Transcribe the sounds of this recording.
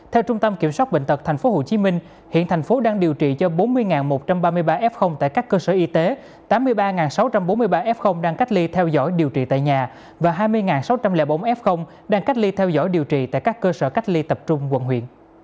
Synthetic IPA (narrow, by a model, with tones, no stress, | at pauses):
t̪ʰɛ˧wt͡ɕʊ˧ŋ͡mt̪ə˧mki˧˩əmswaː˦˥ɓḭ˧˨ŋ̟t̪ʰə˨˩k̚t̪ʰɛ˨˩ŋ̟fo˨˦ɦo˧˨˩t͡ɕi˨˦mï˧ŋ̟ | hḭ˧˨ənt̪ʰɛ˨˩jŋ̟fo˨˦ɗaː˧ŋɗi˨˩əwt͡ɕḭ˧˨t͡ɕɔ˧ɓo˨˦nmɨ˧əjŋaː˨˩nmo˨˩t̚t͡ɕa˧mɓaː˧mɨ˧əjɓaː˧ʔɛ˦˥p̚xə˧wŋ͡mt̪a̰ː˧˨jkaː˦˥kːəː˧səː˧˩ʔi˧t̪e˨˦ | t̪aː˨˦mːɨ˧əjɓaː˧ŋaː˨˩nsa˨˦wt͡ɕa˧mɓo˨˦nmɨ˧əjɓaː˧ʔɛ˦˥p̚xə˧wŋ͡mɗaː˧ŋka˦˥k̚li˧t̪ʰɛ˧wzɔ̰˧˥˩jɗi˨˩əwt͡ɕḭ˧˨˩t̪a̰ː˧˨jɲaː˨˩ | vaː˨˩ɦaː˧jmɨ˧əjŋaː˨˩nsa˨˦wt͡ɕa˧mlɛ̰ː˧˩ɓə˧˦ŋ͡mʔɛ˦˥p̚xə˧wŋ͡m | ɗaː˧ŋka˦˥k̚li˧t̪ʰɛ˧wzɔ̰˧˥jɗi˨˩əwt͡ɕḭ˧˨t̪a̰ː˧˨jkaː˦˥kːəː˧səː˧˩ka˦˥k̚li˧t̪ə˨˩p̚t͡ɕʊ˧ŋ͡mkə̰˧˨nɦwḭ˧˨ən